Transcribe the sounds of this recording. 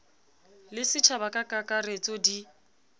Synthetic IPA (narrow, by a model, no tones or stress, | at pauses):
lɪsɪt͡ʃʰabakʼakʼakʼaret͡sʼɔdi